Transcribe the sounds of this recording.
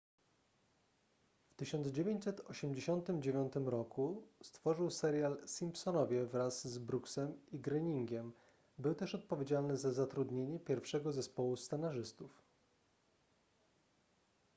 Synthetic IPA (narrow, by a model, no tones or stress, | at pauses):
ft̪ɘɕɔnd̪zd͡ʑevʲjeɲt͡ɕʲsɛt̪ɔɕɛmd͡ʑeɕɔnt̪ɘmd͡ʑevʲjɔnt̪ɘmɾɔkust̪fɔʐɘwsɛɾʲjalsʲimpsɔnɔvʲjɛvɾazːbɾuksɛmiɡɾɛɲiŋɡʲɛm | bɘwt̪ɛʂɔt̪̚pɔvʲjed͡ʑalnɘzazat̪ɾud̪ɲeɲɛpʲjɛɾfʂɛɡɔzɛspɔwust̪sɛnaʐɘst̪uf